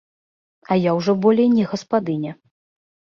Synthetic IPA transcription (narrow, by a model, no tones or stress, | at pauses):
ɐjawʐɔbɔlʲɛjnʲɛɣɐspad̪ɨnʲɛ